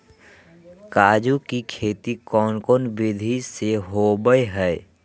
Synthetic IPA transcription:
kaːd͡ʒukikʰeːt̪ikɔːnkɔːnbɪd̪ʱiseɦobəeɦɛɪ

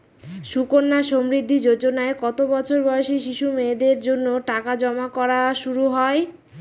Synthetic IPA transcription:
ʃukonːaʃomɾid̪ʱːid͡ʑod͡ʑonaekɔt̪obɔt͡ɕʰoɾbɔjoʃeʃiʃumed̪eɾd͡ʑonːoʈakad͡ʑɔmakɔɾaʃuɾuɦɔe

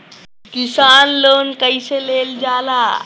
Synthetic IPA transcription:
kisaːnloːnkəjseleld͡ʒaːla

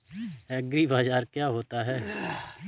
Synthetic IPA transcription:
ɛɡɾibaːd͡ʒaːɾkjaɦoːt̪aɦɛː

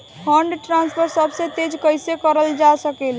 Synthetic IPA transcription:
pʰəɳɖʈɾanspʰəɾsəbset̪ed͡ʒkəjsekəɾəld͡ʒasəkel

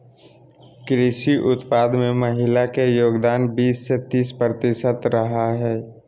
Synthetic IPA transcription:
kɾɪʃiʔʊt̪paːd̪mẽməɦɪlakejoːɡd̪aːnbiːsːet̪iːspɾət̪ɪʃət̪ɾəɦaɦɛː

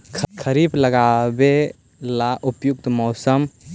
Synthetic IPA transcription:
kʰkʰəɾibləɡabe | laʔupjuk̚t̪mɔːsəm

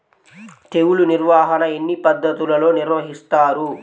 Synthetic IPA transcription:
t̪e̞wuluniɾʋaːɦɐnɐe̞nːipɐd̪ːɐt̪ulɐlo̞ːniɾʋɐɦist̪aːɾu

